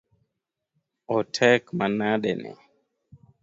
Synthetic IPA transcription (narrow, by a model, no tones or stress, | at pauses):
ɔtʰɛkmanaɗɛnɛ̰